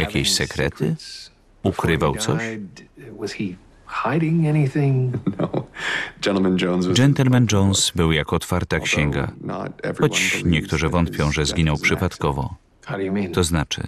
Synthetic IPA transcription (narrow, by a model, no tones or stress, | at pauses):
jakʲeɕsɛkɾɛ̰t̪ʰɘ | ukɾɘvawt̪sɔɕ | wʌz̥i | haɪɾɪ̃ŋɛniθɪ̃ŋnoʊ̥d͡ʒɛ̃nl̩ˠmə̃nd͡ʒõʊ̃nzwd͡ʒɛnt̪ɛlmɛnd͡ʐɔnsbɘwjakɔt̪faɾt̪akɕɛŋɡa̰nə̰tɛ̰vɹxɔt͡ɕɲɛk̚t̪uʐɨvɔnt̪̚pʲjɔ̃w̃ʐɛzɡʲinɔwpʂɨpat̪kɔvɔ̰ | haʊdɨjɨmĩnt̪ɔznat͡ʂɘ̰